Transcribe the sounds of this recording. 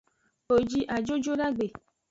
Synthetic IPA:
o˨d͡ʒi˧ʔa˨d͡ʒo˦d͡ʒo˦ɾa˦ɡ͡be˨

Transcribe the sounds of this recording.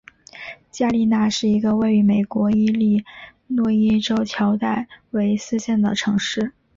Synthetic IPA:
t͡ɕja˥˧li˥˧na˥˧ʂɻ̩˥˩i˧˥ɡə˧we˥˩ɪy˧˥me˨˩ɪkwɔ˧˥i˥li˥˩˧ | nwɔ˥˩i˥ʈ͡ʂo˥ʊt͡ɕʰjɑ˧˥ʊt̪a˥˩ɪwe˧˥ɪsɹ̩˥˧ɕjɛ˥˩nd̪ə̰˩ʈ͡ʂʰɤ˧˥ŋʂɻ̩˥˩

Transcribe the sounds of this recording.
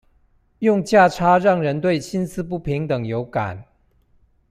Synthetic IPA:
jʊ˥˨ŋt͡ɕja˥˩ʈ͡ʂʰa˥ɻɑ˥˩ŋɻə˧˦nt̪we˥˩ɪt͡ɕʰi˦nsʰɹ̩˦pu˥˩pʰi˧˥ŋt̪ə˨˩ŋjo˧˥ʊka̰˨˩˦n

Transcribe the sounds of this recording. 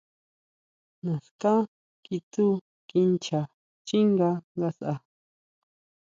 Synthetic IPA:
nã˨skã˦ | ki˧t̪u˦ | ki˧nt͡ʃa˨ | t͡ʃi˦ŋɡa˧ŋɡa˧sʔa˧

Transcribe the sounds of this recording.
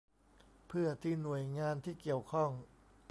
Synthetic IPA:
pʰɯ˥˩ɐt̪ʰiː˧˩nu˨˩əjŋaː˧nt̪ʰiː˥˩ki˨˩əwkʰɔ˥˩ŋ

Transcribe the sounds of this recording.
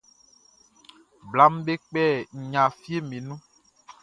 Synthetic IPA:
bla˦m˦be˦k͡pɛ˦˨ɲã˨fi˦e˦mĩ˨nũ˦

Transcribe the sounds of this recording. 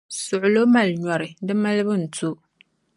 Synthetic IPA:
sʊ˨ʔʊ˨lo˦ma˨lɲɔ˨ɾɨ˨dɨ˦ma˦lɨ˦bɨ˦n̩˨tu˦

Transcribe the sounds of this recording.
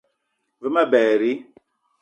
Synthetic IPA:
və˦ma˦bɛː˨ɾi˦

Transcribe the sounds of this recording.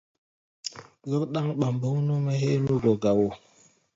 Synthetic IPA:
ɣə˦ɾɗa˦ŋɓa˨mbə˦wno˦mɛ˦he˦nu˦ɡo˨ɡa˨wo˨

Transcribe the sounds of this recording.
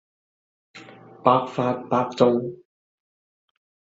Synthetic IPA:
paː˧˥k̚faː˧˥t̚paː˧k̚t͡so˥w

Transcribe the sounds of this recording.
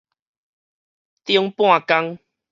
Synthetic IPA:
t̪jɔ˧ŋpw̃ã˥˨ka˦ŋ

